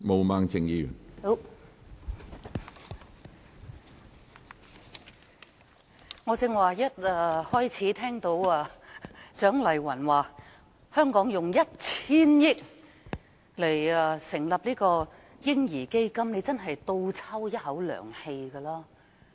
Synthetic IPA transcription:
mo˨˧wmaː˧ŋt͡sɪ˨˧ŋjiː˧jy̰˨˩n˥ | ŋɔː˨˧t͡sɪ˨˧ŋwaː˨˩jɐ˥t̚aː˨˧hɔː˥jt͡sʰiː˨˥t̪ʰɛː˥ŋt̪o˨˥waː˧t͡ʃœː˨˥ŋlɐ˨˩jwɐ˨˩nwaː˨ | hœː˥ŋkɔː˨˥ŋjʊ˨˩ŋjɐ˥t̚t͡sʰiː˥njɪ˥k̚ | le˨˩jɐː˨sɪ˨˩ŋlɐ˨p̚liː˥kɔː˧ | jɪ˥ŋjiː˨˩ke˥jkɐ˥mne˨˧jt͡sɐ˥nɦɐ˨jt̪o˧wt͡sʰɐ˥wjɐ˥t̚hɐ˨˥wlœ̰ː˨˩ŋhe˧jɡɐː˧laː˥

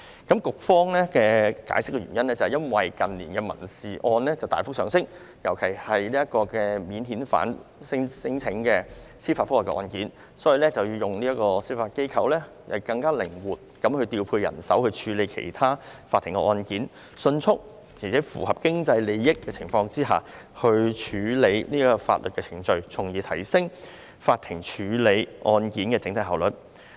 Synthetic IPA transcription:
kɐ˨˥mkʊ˨k̚fɔː˥ŋlɛː˥kɛː˧ka̰ː˨˥jsɪ˥k̚ːɛ˧ɥyː˨˩jɐ˥nlɛ˥t͡sɐ˨hɛ˨jɐ˥nwɐ˨jkɐ˨nliː˨˩nkɛː˧mɐ̰˨˩nsiː˨ʔɔː˧nlɛː˥t͡sɐ˨wt̪aː˨jfʊ˥k̚sœː˨ŋsɪ˥ŋ̚ | jɐ˨˩wkʰe˨˩jhɐ˨jliː˥jɐ˥t̚kɔː˧kɛː˧miː˨˥nɦiː˨˥nfa̰ː˨˥nsɪ˥ŋsɪ˥ŋt͡sʰɪ˨˧˥ŋkɛː˧siː˥faː˧t̚fʊ˥waː˨kɛ̰˧ʔɔ̰ː˧nkiː˨˥n | sɔː˨˥jiː˨˧lɛː˥t͡sɐ˨wjiː˧jʊ˨ŋliː˥jɐ˥t̚kɔː˧siː˥faː˧t̚ke˥jkʰɐ˧wlɛː˥ | jɐ̰˨jkɐ˧ŋkaː˥lɪ˨˩ŋwuː˨t̚kɐ˨˥mhɵ˧t̪iː˧wpʰuː˧jɐ̰˨˩nsɐ̰˨˥whɵ˧t͡ʃʰyː˨˥le˨˧jkʰḛ˨˩jt̪ʰaː˥faː˧tʰːɪ˨˩ŋkɛ̰˧ʔɔː˧nkiː˨˥n | sɵ˧nt͡ʃʰʊ˥k̚ | kʰe˨˩t͡sʰɛ˨˦˥fṵː˨˩hɐ˨˩p̚kɪ˥ŋt͡sɐ˧jle˨˧jjɪ˥kːɛː˧t͡sʰɪ˨˩ŋfɔː˧ŋt͡siː˥ɦa̰ː˨ | hɵ˧ɥt͡ʃʰyː˨˧le˨˧jniː˥kɔː˧fa̰ː˧t̚lɵ̰˨t̚kɛː˧t͡sʰɪ˨˩ŋt͡ʃɵ˧ɥt͡sʰʊ˨˩ŋjiː˨˧t̪ʰɐ˨˩jsɪ˥ŋ | faː˧t̪̚ʰːɪ˨˩ŋt͡ʃʰyː˨˧le˨˧jʔɔː˧nkiː˨˥nkɛː˧t͡sɪ˨˥ŋt̪ʰɐ˧jɦaː˨wlɵ˨˩t̚

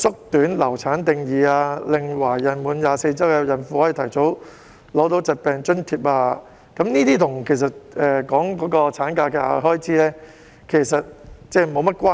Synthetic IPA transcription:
sʊ˥k̚t̪yː˨˥nlɐ˨˩wt͡sʰaː˨˥nt̪ɪ˨ŋjiː˨˧aː˧lɪ˨ŋwaː˨˩jjɐ˨˩nmuː˨˥njaː˨˧se˧jt͡sɐ˥wkɛː˧jɐ˨˩nfuː˨˧hɔ˨˦˥jt̪ʰɐ˨˩jt͡so˨˥w | lɔː˨˥t̪̬o˨˥wt͡sɐ˨t̚pɛː˨ŋt͡ʃɵ˥nt̪ʰiː˧˨p̚aː˧ | kɐ˨˥mniː˥t̪iː˥t̪ʰʊ˨˩ŋkʰe˨˩js̬ɐ˨t̚ʔɛː˨˩kɔː˨˥ŋkɔː˨˥kɔː˧t͡sʰaː˨˥nkaː˧kɛ˧a̰˧ɦɔː˥jt͡sʰiː˨˥lɛː˥ | kʰe˨˩jsɐ˨t̚t͡sɛː˥˩mo˨˧wmɐ˥t̚kʷaː˥

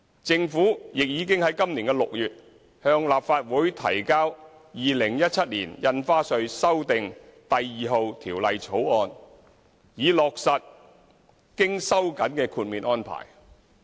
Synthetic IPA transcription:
t͡sɪ˧ŋfuː˨˥jɪ˨k̚jiː˨˧˥kɪ˥ŋhɐ˨˥jkɐ˥mliː˨˩nkɛː˧lʊ̰˨k̚jyː˨t̚ | hœː˧ŋlaː˨p̚faː˧t̚wuː˨˥jt̪ʰɐ̰˨˩jkaː˥w | jiː˨lɪ˨˩ŋjɐ˥t̚t͡sʰɐ˥t̚lḭː˨˩njɐ˧nfaː˥sɵ˧ɥsɐ˥wt̪ɪ˨ŋt̪ɐ˨jːiː˨ɦo˨˧wt̪ʰiː˨˩wlɐ˨˧jt͡sʰo˨˥wɔː˧n | jiː˨lɔː˨k̚sɐ˨t̚ | kɪ˥ŋsɐ˥wkɐ˨˥nkɛː˧kʰuː˧t̚miː˨˩nɔː˥npʰa̰ː˨˩j

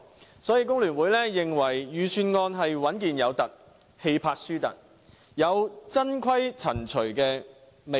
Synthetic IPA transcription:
sɔː˨˥jiː˧k̬ʊ˥ŋlyː˨˩nwuː˨˥jlɛː˥jɪ˨˩ŋwɐ˨˩jːyː˨syː˨˧nŋɔː˧nɦɐ˨jwɐ˨˥nkiː˨njɐ˨˧wt̪ɐ˨k̚ | he˧jpʰaː˧t̚syː˥t̪ɐ̰˨˩k̚ | jɐ˨˧wt͡sɐ˥nkʷʰɐ˥jt͡sʰɐ̰˨˩nt͡ʃʰɵ˨˩kɛː˧ | me˨

